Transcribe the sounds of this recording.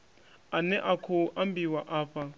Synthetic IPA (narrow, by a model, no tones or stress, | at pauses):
anɛʔakʰoʔambiwaʔaːfa